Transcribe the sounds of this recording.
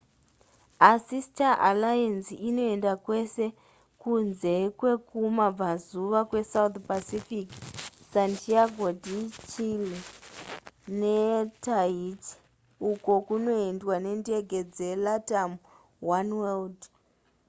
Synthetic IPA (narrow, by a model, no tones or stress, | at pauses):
asistaʔalajansino̞e̞ndakwe̞se̞ | kunze̞kwe̞kumab͡vazuʋakwe̞saut̪pasifiksantiaɡʱodit͡ʃili | netaiti̥ | uko̞kuno̞endwane̞ndieɡʱe̞d͡ze̞latam | wanweld